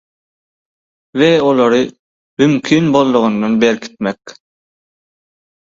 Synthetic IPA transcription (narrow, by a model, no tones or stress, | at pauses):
veolˠoɾɯ | mymkʲʰiːnbo̞lˠːuʁund̪onbeɾkʰi̥t̪̚mek